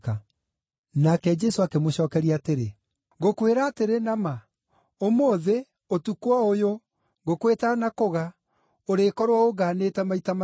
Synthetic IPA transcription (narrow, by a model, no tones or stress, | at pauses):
a | nakɛd͡ʒɛsoakemoɕɔːkɛɾiaːteɾe | ɡokweɾaːteɾenama | omoːðe | otukwaojo | ɡokwetanakoɣa | oɾeːkɔɾwaoɣaːneːtɛmaitama